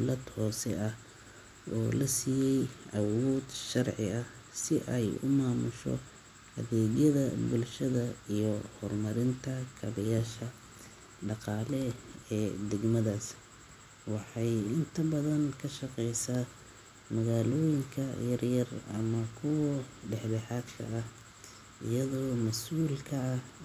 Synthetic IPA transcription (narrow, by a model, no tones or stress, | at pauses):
lɐd̪hɔːsɛɐh | ʔɔːlɐsijɛjʔɐwɔːd̪ʃɑrʕɪɐh | sɪʔɛjʊ̰maːmʊʃɔ̰ | hɐ̰ðɛːɣjɐðɐbʊlʃɐðɐijɔhɔrmɐɾɪnt̪ʰɐkʰɐβɐjaːʃɐ | ɖɑqɑːlɛɛːd̪ɛɡmɐðaːs | wɑħɑjɪnt̪ʰɐbɐðɐnkʰɐʃɑqɛjsaː | mɐɣaːlɔːjɪŋkʰɐjɐrjɐrɐmɐkʰʊwɐɖɛħbɛħɑːd̪kʰɐ̰ːh | ɪ̰jɐðɔːmɐsʔuːlkʰɐɐh